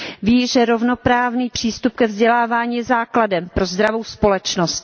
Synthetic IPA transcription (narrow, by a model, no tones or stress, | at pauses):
viːʒɛɾo̞vno̞pɾaːvniːpr̝̥iːst̪up̚kɛvzɟɛlaːvaːɲiːɛzaːkladɛmpɾo̞zd̪ɾavo̞wspo̞lɛt͡ʃno̞st̪